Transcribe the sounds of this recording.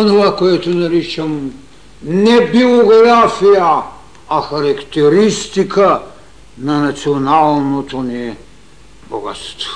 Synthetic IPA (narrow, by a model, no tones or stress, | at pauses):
onovakojat̪onaɾit͡ʃam | nɛbioɡɾafija | axaɾakt̪ɛɾist̪ikʰa | nanat̪sionalˠnot̪oniɛ | boɡa̰t̪st̪vo̥